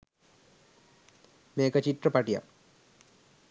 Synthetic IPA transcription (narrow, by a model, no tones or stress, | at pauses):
meːkɐt͡ɕiʈrɐpɐʈija̰